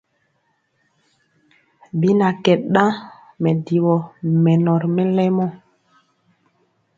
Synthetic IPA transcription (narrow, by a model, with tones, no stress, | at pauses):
bi˦na˨kɛ˨ɗɗã˦ | mɛ˨di˨wɔ˨mɛ˨nɔ˨ɾmɛ˦lɛ˦mɔ˦